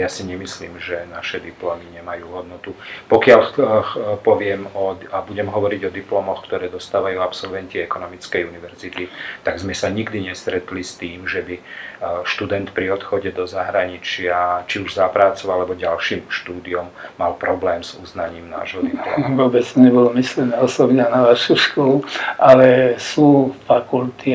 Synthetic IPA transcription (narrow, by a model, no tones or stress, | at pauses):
jasiɲɛmisliːmʒɛnaʃɛd̪iplɔmiɲɛmajuːɦɔd̪nɔt̪upɔkɪal | pɔʋɪɛmɔabuɟɛmɦɔʋɔɾiɟɔd̪iplɔmɔxkt̪ɔɾɛːd̪ɔst̪aːʋajuːapsɔlʋɛnciɛkɔnɔmit͡skɛjuniʋɛɾzit̪it̪aɡzmɛsaɲiɡd̪iɲɛst̪ɾɛt̪list̪iːmʒɛbiʃt̪ud̪ɛnt̪pɾiɔt̪xɔɟɛd̪ɔzaɦɾaɲit͡ʃɪat͡ʃiuʒzapɾaːt͡sɔʊalɛbɔɟalʃiːmʃt̪uːd̪iɔmːalpɾɔblɛːmz̥uznaɲiːmna̰ːʒɦɔd̪iʋɔbɛt͡st̪ɔɲɛbɔlɔmislɛnɛɔsɔbɲɛanaʋaʃuʃkɔlualɛsuːfakult̪ʰi